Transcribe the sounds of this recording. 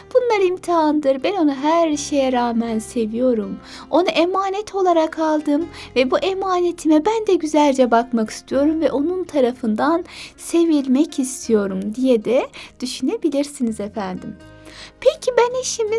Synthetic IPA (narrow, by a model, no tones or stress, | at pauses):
b̥unlˠaɾɯimt̪ʰiɦand̪ɯɾbɛno̞nuɦæɾʃe̞jɛɾaːmænse̞vijo̞ɾum | o̞naʔemaːnɛt̪ʰo̞lˠaɾakʰalˠd̪ɯmvɛbuʔemaːne̞t̪ʰimɛbænd̪ɛɟyzælʲd͡ʒɛbakmakʰi̥st̪ʰijo̞ɾumvɛʔo̞nunt̪ʰaɾafɯnd̪anse̞vilʲmɛcʰist̪ʰijo̞ɾumd̪ijɛd̪ɛd̪̥yʃyne̞bilʲiɾsinizefænd̪ḭm | pʰecʰibæniʃimi